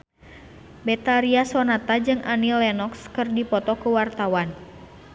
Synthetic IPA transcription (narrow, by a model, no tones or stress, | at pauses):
bɛt̪aɾiasɔnat̪ad͡ʒɨŋʔanilɛnɔkskɨrdipɔt̪ɔkuwart̪awan